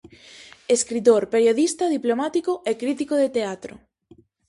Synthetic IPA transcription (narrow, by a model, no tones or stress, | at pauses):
eskɾit̪̬oɾpeɾjoðist̪ɐðiplomat̪ikʊʔekɾit̪̬ikoðet̪eat̪ɾo̰